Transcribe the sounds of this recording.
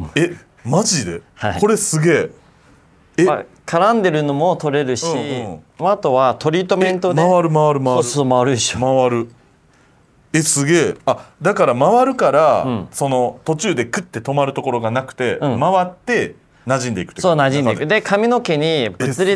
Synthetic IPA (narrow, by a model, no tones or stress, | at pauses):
e | maʑid̪e̞haiko̞ɾe̞sɨɡe̞ː | ea | kʰaɾãnd̪e̞ɾɯ̟no̞mo̞t̪o̞ɾe̞ɾɯ̟ɕi | mːt̪o̞βat̪o̞ɾʲiːt̪omẽ̞nt̪o̞d̪eaβaɾɯ̟maβaɾɯ̟maosoomaβaɾɯɕomaβaɾɯ̟ | esɨɡe̞ːad̪akaɾamaβaɾɯ̟kaɾaɯ̃so̞no̞t̪o̞t͡ɕɨːd̪e̞kɯ̟t̪ːe̞t̪o̞maɾɯ̟t̪o̞ko̞ɾo̞ɡanakɯ̟̥t̪e̞ɯ̟̃maβat̪ːe̞ | naʑĩnd̪e̞ikɯ̥e̥soːnaʑĩnd̪eikɯ̟d̪e̞kʰamʲino̞ke̞ɲ̟ibɯt͡sɨɾʲi